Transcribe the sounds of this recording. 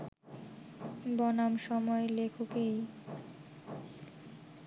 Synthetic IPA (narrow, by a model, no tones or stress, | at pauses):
bɔnamʃɔmɔelekʰokej